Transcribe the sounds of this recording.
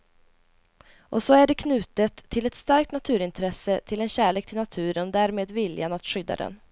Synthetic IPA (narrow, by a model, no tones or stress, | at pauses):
ʔɔsɔæɖɛkʰnʉ̟ːt̪ət̪ʰːɪlɛt̪st̪aɾk̚t̪nat̪ʰʉ̟ːɾɪnt̪ʰɾɛsət̪ʰɪlɛnɕæːɭeːkt̪ʰɪlnat̪ʰʉ̟ːɾənd̪æːɾmeːd̪vɪljanat̪ɧʏd̪ːa̰d̪ɛ̰n